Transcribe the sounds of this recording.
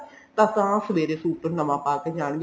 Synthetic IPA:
t̪ãːsãːsəʋeːɾeːsuːʈənəmãːpaːkeːd͡ʒaːɳ̃ɡ

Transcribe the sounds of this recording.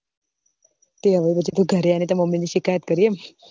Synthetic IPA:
t̪eɦəʋepət͡ʃʰit̪ũɡʱəɾeanet̪aməmːiniʃikajət̪̚kəɾiem

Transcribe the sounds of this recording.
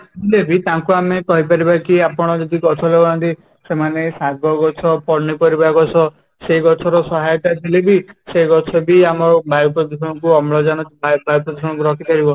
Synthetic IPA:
tt̪ilebit̪aŋkuamekɔɦipaɾibakiapɔɽ̃ɔd͡ʒɔd̪iɡɔt͡ʃʰɔlebanɔnt̪i | semanesaɡɔɡɔt͡ʃʰɔpɔɾnipɔɾibaɡɔt͡ʃʰɔ | seɡɔt͡ʃʰɔɾɔsɔɦajɔt̪at̪ʰilebiseɡɔt͡ʃʰɔbiamɔbajupɾɔd̪isʰɔɽ̃ɔkuɔmlɔd͡ʒanɔbajbajupɾɔd̪isɔɽ̃ɔŋkuɾɔkʰipaɾibɔ

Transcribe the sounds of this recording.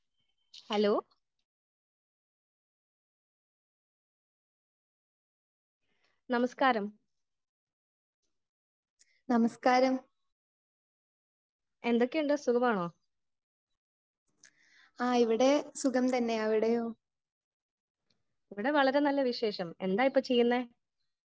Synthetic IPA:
hɐloː | nɐmɐskaːɾɐm | nɐmɐskaːɾɐm | e̞nd̪o̞kːejuɳɖɨsukɐmaːɳo̞ː | aːiʋiɽe̞sukɐmt̪ɐnːe̞ɐʋiɽejoː | iʋiɽe̞ʋɐɭɐɾe̞nɐlːɐʋiɕe̞ːʂɐme̞̰nd̪aːjipːoːt͡ɕe̞jːunːeː

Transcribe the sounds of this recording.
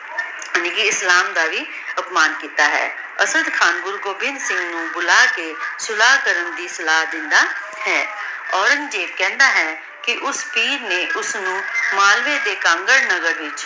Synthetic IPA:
niːkiɪslaːmd̪aːʋiː | əpmaːnkiːt̪aːɦɛ̰ː | əsəd̪kʰaːnɡʊɾɡoːbɪnsɪ̃ŋɡnũːbʊlaːkeːsʊlaːɦkəɾənd̪iːsəlaːɦd̪ɪ̃nd̪aː | hɛː | ɔːɾə̃ŋɡd͡ʒeːpkɛ̃ːnd̪aːɦɛː | kɪʔʊspiːɾneːʔʊsnũːmaːlʋeːd̪eːkãːŋɡəɽnəɡəɾʋɪt͡ʃ

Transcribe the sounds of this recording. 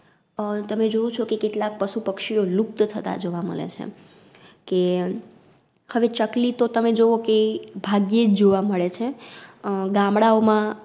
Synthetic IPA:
t̪əmed͡ʒoũt͡ʃʰokekeʈlak̚pəʃupəkʃioluk̚t̪t̪ʰət̪a̰d͡ʒoʋamə̰ɭḛt͡ʃʰḛ | ke | həʋet͡ʃəklit̪ot̪əmed͡ʒoʋokebʱaɡjed͡ʒd͡ʒoʋaməɭet͡ʃʰe | ɡãmɽaomã

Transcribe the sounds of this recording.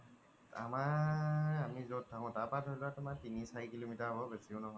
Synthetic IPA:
a̰ma | amizot̚tʰːakɔ̃taɹpatɦojlatʊmatinisaɹikilomitaɹbɔbesiʊ̃nɔɦɔjj

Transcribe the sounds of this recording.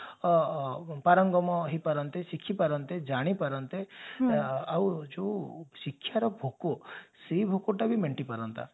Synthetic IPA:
paɾɔŋɡɔmɔɦipaɾɔnt̪esikʰipaɾɔnt̪ed͡ʒaɽ̃ipaɾɔnt̪e | awd͡ʒoʃikʰːjaɾɔbʱokosebʱokoʈabʱimeɳʈipaɾɔnt̪a̰

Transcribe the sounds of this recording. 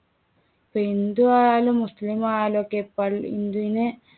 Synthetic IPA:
pend̪uaalumuslimalokepɐḭnd̪une

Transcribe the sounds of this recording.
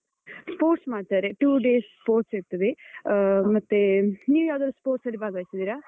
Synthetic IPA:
spoːʈsmaːɖt̪aːɾeʈuːɖeːsspoːɾʈseʈ̚t̪ːɐd̪e | mɐt̪ːeniːʋjaːd̪ɐɾɐspoːɾʈsɐlːibʱaːɡaːsid̪iːɾaː

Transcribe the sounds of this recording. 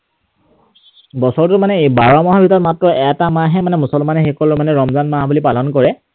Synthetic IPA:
bɔsɔɹtʊmanɛebaɹɔmɔɦabʱitɔtmatɹɔʔɛtamaɦɛmanɛmusɔlmanɛxekɔlʊmanɛɹɔmzanmaɦbulipalɔnkɔɹɛ

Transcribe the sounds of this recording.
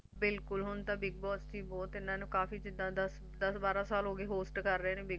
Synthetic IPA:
bɪlkʊlɦʊnt̪ãːbɪɡ̚bɔːst̪ʰiːbɔːt̪ɪnãːnũːkaːfiːd͡ʒɪd̪ãːd̪əs | d̪əsbaːɾãːsaːlɦoːɡeːɦoːsʈkəɾːəeːnẽːbɪɡ

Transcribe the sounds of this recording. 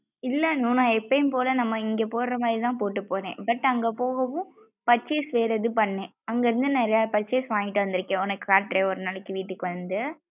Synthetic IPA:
ɪlːɐnuːnãːɛpːɐjmpoːlɐnɐmːɐɪŋɡeːpoːɾɾɐmaːd̪ɾit̪ãːpoːʈːɯpːoːɾḛ̃ːbɐʈːɐŋɡepoːɣɐʋʊ̃ | pɐʈt͡ʃːesʋeːɾɐðɯpɐɳːẽː | ɐŋɡɐɪɾɯnd̪ɯnɛɾɐjaːpɐt͡ʃːeːsʋãːŋɡɪʈːɯʋɐnd̪ɪɾɯkːẽːɔnɐkːɯkaːʈːɾeːɔɾɯnɐlɐɪkːɯʋiːʈːɯkːɯʋɐnd̪ɯ

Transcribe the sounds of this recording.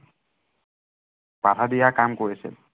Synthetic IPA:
pat̪ʰad̪ijakamkoɹisḭl

